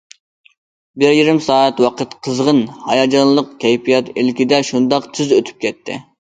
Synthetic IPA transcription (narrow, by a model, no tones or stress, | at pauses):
bɪɾjiɾɪmsɑːæt̪wɑqʰət̪qʰəzʁənhɑjɑd͡ʒɑnlˠəqkʲʰɛjpijɑt̪ɪlkʲɪd̪ɛʃund̪ɑqt̪ʰyzøt̪ʰy̥p̚kʲʰɛt̪ʰːɪ̰